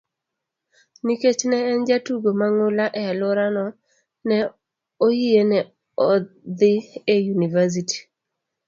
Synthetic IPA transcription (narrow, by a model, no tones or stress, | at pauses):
niket͡ʃnɛːnd͡ʒatuɡomaŋʊlaʔɛalʊɾanɔ | nɛ | ohijenɛ | ɔd̪ɪejunivas̬iti̥